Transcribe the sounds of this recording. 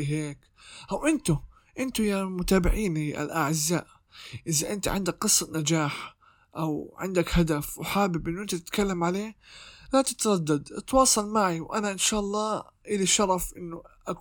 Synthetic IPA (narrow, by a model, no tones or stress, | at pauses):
ɦeːk | ʔawʔɪnt̪ʊ | ʔɪnt̪ʊjamʊt̪aːbɪʕiːniʔa̰lʔaʕɪzːa̰ːʔ | ʔɪzaʔɪnt̪iʕɪnd̪akqɨsˤːɑnad͡ʒaːħ | ʔawʕɪ̰nd̪akhad̪afwħaːbɪbʔɪnːʔɪnt̪ʊt̪ɪt̪kalːamʕaleːlat̪ɪt̪ɾˤɑd̪ːad̪t̪wɑːsˤɑlmaʕiwʔanaʔɪnʃaːʔɑlˤːɑːʔɪliʃɑɾˤɑfʔɪnːʊʔak